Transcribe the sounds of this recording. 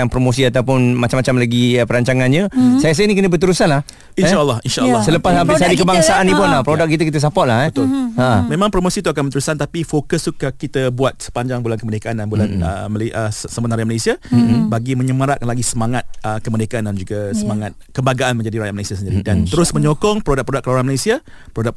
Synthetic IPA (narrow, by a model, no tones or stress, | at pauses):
anpɾomosiat̪awpʊnmat͡ʃamat͡ʃamlaɡipəɾaɲt͡ʃaŋanɲãsajas̬aanikənəbət̪əɾusanlah | inʃaʔlːɑhinʃaʔəlːɔsələpasapisadikəbaŋsaanːipʊnlapɾodak̚kːit̪əkit̪əs̬apɔʔ̚lahbət̪ʊləmẽmãŋpɾomosit̪uak̬anbənt̪uɾusant̪apifokəst̪ukakit̪əbuat̪̚sə̥paɲd͡ʒaŋbulankəmədekaʔandanbulanə̰məleʔəssəmənaɾiaʔməlesiabaɡimə̃ɲəməɾakanlaɡisəmaŋat̪̚əkəmədekaʔandand͡ʒuɡasəmaŋat̪̚kəmbaɡaʔanmə̃ɲd͡ʒadiɾajaʔməlesiasəndiɾidant̪əɾʊsmə̃ɲokɔŋpəɾodak̚pɾodak̚ːəloɾãnməlesia | pəɾodak